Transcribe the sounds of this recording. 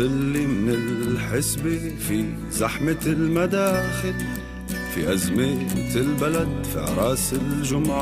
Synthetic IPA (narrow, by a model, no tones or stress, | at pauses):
ɪlːimɪnɪlħɪsbifi | zaħmɪlmad̪aːxɪl | fḭʔazmemɪt̪ɪlbalad̪fḭʕɑ̰ɾˤɑːsɪlʒʊmʕ